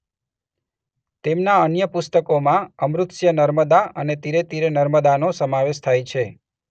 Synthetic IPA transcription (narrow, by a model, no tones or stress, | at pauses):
t̪emnaənjəpʊst̪əkomãəmɾʊt̪ʃjənəɾməd̪aənet̪iɾet̪iɾenəɾməd̪anosəmaʋeʃt̪ʰajt͡ʃʰe